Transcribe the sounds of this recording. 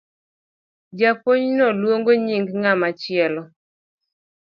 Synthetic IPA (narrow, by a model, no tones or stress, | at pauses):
d͡ʒapoɲnɔlwoŋɡoɲiŋɡŋamat͡ʃɪɛlɔ